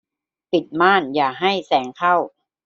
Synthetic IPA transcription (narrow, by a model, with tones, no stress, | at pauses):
pi˨˩t̪̚maː˥˩njaː˨˩ɦa˥˩jsɛː˩˦ŋkʰa˥˩w